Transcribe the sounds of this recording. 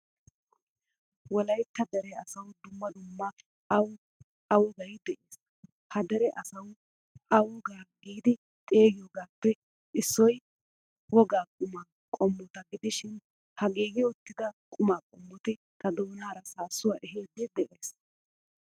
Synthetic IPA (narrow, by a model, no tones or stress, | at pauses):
wɔlɐjt̪ːɐd̪ɛɾɛɐsɐwd̪ʊmːɐd̪ʊmːɐ | ɐw | ɐwɔɡɐjd̪ɛʔeːs | hɐd̪ɛɾɛʔɐsɐw | ʔɐwɔɡaːɡiːd̪ɪ | t̪ʼe̞ːɡɪjoːɡaːpːɛ | ɪsːɔj | wɔɡaːkʼʊma | kʼɔmːɔt̪ɐɡɪd̪ɪʃɪn | hɐɡiːɡɪɔt̪ːɪd̪ɐkʼʊmaːkʼɔmːɔt̪ɪ | t̪ʰɐd̪oːnaːɾɐsaːsːʊwaːʔɛɦeːd̪ːɪd̪ɛʔeːs